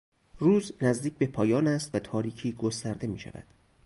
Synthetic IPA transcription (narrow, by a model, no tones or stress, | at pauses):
ruːznæzd̪iːc̚ʰbe̞pʰɒːjɒːnæst̪væt̪ʰɒːɾiːcʰiːɡost̪æɾd̪e̞miːʃæ̰væ̰d̪̥